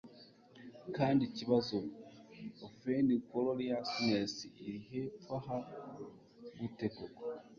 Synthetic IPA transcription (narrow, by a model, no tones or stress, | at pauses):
kaːndiciβazo | ofenikoloɾijasunesiiɾihefwaɦa | βutekoko